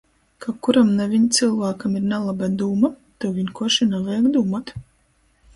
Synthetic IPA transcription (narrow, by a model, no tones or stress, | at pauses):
kakuɾamnɛvʲiɲt̪sɨlˠvaːkamiɾnɛlˠabad̪uːma | t̪uviɲkuɔʃinɛvɛjaɡd̪uːmat̪